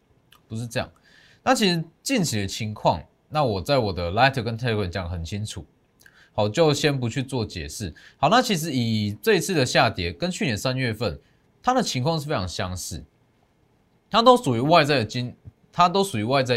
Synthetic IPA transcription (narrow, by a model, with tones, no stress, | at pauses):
pu˧˦ʂɻ̩˥˧ʈ͡ʂɤ˥˧jɑ̰˥˨˩ŋ | na˥˩t͡ɕʰi˧˥ʂɻ̩˧˦t͡ɕi˥˩nt͡ɕʰi˨˥d̪ə˧t͡ɕʰi˧˥ŋkʰwɑ̰˥˧ŋ | na˥˨wɔ˨˩t͡sa˥˩ɪwɔ˨˩d̪ə˦la˥ɪt̪ʰə˨kə˦nt̪ʰa˥˧kʰwə˨˩nt͡ɕja˨ŋə˧xə˨˩nt͡ɕʰi˦ŋt͡sʰu˨˩ | ha˨˩ʊt͡ɕjo˥˨ʊɕjɛ˦˥np̬u˧˦t͡ɕʰy˥˧t͡swɔ˥˩t͡ɕjɛ̰˨˩ʂɻ̩˥˩hɑ˨˩ʊna˥˩t͡ɕʰi˧˥ʂ̬ɻ̩˧˦i˨˩t͡sɤ˥˨i˧˥t͡s̩ʰ˥˩d̪ə˨ɕja˥˨t̪jɛ˨˥kə˦nt͡ɕʰy˥˨jɛ˧˦nsa˦nɥɛ˥˧fə˥˨˩n | t̪ʰa˦d̪ə˨t͡ɕʰi˧˥ŋkʰwɑ˥˧ŋʂɻ̩˥˩fe˥ɑ˧˥ŋɕjɑ˥ŋsɻ̩˥˩ | t̪ʰa˦˥t̪o˥ʊʂu˨˩y˧˦wa˥˧ɪt͡sa˥˩ɪd̪ə˩t͡ɕi˦˥n | t̪ʰa˦t̪̬o˥ʊʂu˨˩y˨˥wa˥˧ɪt͡sa˥˧ɪ